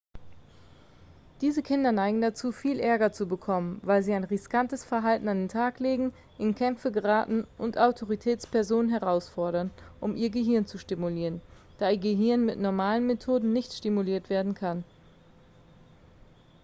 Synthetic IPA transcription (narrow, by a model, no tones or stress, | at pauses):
d̥iːzəkʰɪndɐnaɪɡŋ̩dat͡suːfiːlʔɛɐɡɐt͡subəkʰɔmənvaɪlziːaɪnʁɪskantəsfɛɐɦaltn̩andeːntʰaːkleːɡŋ̩ | ʔɪnkʰɛmfəɡəʁaːtn̩ʔʊntʔaʊtʰoʁitʰɛːt͡spɛɐzoːnənɦɛʁaʊsfɔɐɾɐnʔʊmʔiːɐɡəɦɪɐnt͡suʃtɪmuliːʁən | d̥aːiːɐɡəɦɪɐnmɪtnɔɐmaːlənmetʰoːdn̩nɪçtʃtɪmuliːɐtv̥eːɐdn̩kʰan